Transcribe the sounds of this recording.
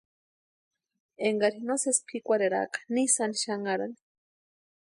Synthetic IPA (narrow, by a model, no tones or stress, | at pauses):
eŋɡaɾinosespʰikʷaɾeɾa̰kḁnisaniʃaŋaɾa̰ni̥